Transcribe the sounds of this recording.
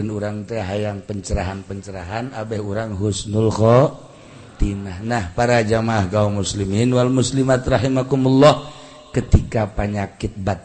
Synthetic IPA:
ənuɾaŋt̪ɛɦajaŋpəɲt͡ʃəɾaɦanpəɲt͡ʃəɾaɦanabɛhuɾaŋɦusnulkɔ | t̪inahnahpaɾad͡ʒamaaɦɡaumusliminwalmuslimat̪raɦimakumulːɔh | kət̪ikapaɲakɪt̪̚bat̪̚

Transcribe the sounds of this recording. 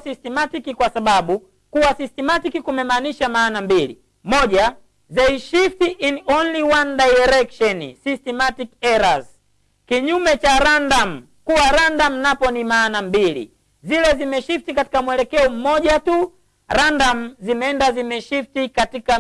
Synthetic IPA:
sistɛmatikikwasaɓaɓu | kuwasistɛmatikikumɛmaːniʃamaːnambilḭ | mɔʄa | zɛiʃiftiʔinɔnliwandajɛɾɛkʃɔnisistɛmatikɛɾaz | kiɲumɛt͡ʃaɾandam̩ | kuwaɾandam̩napɔnimaːnambilḭ | zilɛzimɛʃiftikati̥kamwɛlɛkɛɔm̩mɔʄatu | ɾandam̩zimɛɛndazimɛʃiftikatika

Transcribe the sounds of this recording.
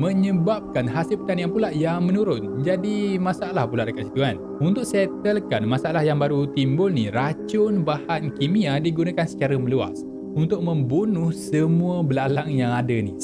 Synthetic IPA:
mə̃ɲəbap̚kanɦasip̚k̪anjaŋpulaʔjaŋmə̃nuɾʊnd͡ʒadimãsaalahpulaʔdəkat̪̚si̥t̪uan | unt̪ʊk̚sɛt̪əlkanmasaalahjaŋbaɾut̪imbʊlnirat͡ʃʊnbahankimiadiɡunakansə̥t͡ʃaɾaməlua̰s | unt̪ʊk̚mə̃mbunʊhsəmũabəlalaŋjaŋadənḭ

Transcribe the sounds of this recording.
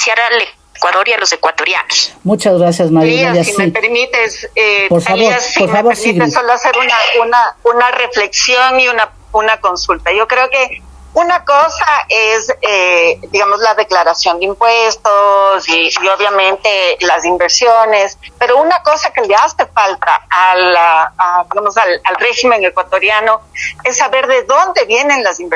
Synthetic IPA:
sjaɾale | kwaðo̞ɾialo̞se̞kwat̪oɾja̰nosmut͡ʃazɣɾasjazmajoɾaðjasismeipeɾmit̪esepoɾfaβoɾaoɾfaβoɾsiɣɾisoloaseɾunaunaunare̞fle̞ksjo̞niuna | unako̞nsult̪aʝo̞kɾe̞oke̞ | unako̞saʔe̞zed̪iɣamo̞zlaðe̞klaɾasjo̞nd̪eimpwe̞st̪o̞siio̞βjamẽ̞nt̪e̞lasimbe̞ɾsjo̞ne̞spe̞ɾo̞unako̞sake̞le̞ase̞falt̪aːlaːðiɣamo̞salalre̞ximeŋe̞kwat̪o̞ɾjano̞e̞sːaβe̞ɾðe̞ðond̪e̞βje̞ne̞nlasimb

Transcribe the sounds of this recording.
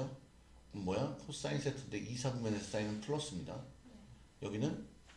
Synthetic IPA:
ʌ | ɯmmʌjakʰos͈ainsetʰɯdeʔisʰabɯmjʌnes͈ainɯnpʰɯɭːʌs͈ɯmɲida̰ | jʌɡinɯn

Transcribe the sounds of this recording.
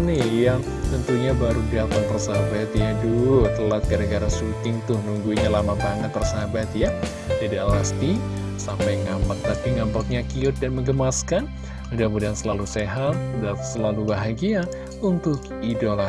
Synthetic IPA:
nijaŋ | t̪ənt̪uɲabaɾudiat̪anpərsabat̪jadulut̪əlat̪̚ɡaɾəɡaɾasut̪ɪŋt̪ʊhnuŋɡuɲalamat̪anat̪̚pərsabat̪ja | t̪idaʔlast̪i | sampajŋampak̪̚t̪apiŋampat̪̚ɲakiʊt̪̚danməŋɡəmaskan | udahmudansəlaluseɦat̪̚udasəlalubaɦaɡia | unt̪ʊk | idola

